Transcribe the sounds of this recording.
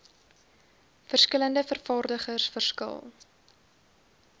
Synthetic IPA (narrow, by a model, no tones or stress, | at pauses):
fərskələndəfərfɑːrdəχərsfərskə̰lˠ